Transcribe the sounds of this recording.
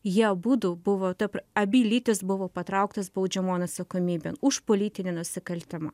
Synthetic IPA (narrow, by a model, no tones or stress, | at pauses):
jiɛbuːd̪ubʊʋoːt̪ɐpɐbʲiːlʲiːt̪ʲɪsbʊʋoːpɐt̪ɾɐˑʊkt̪ɐsbɐʊd͡ʒʲɛmoːnɐt̪sɐkoːmʲiːbʲenʊʃpoːlʲiːt̪ʲɪnʲenʊsʲɪkɐlʲt̪ʲɪmɐ̰ː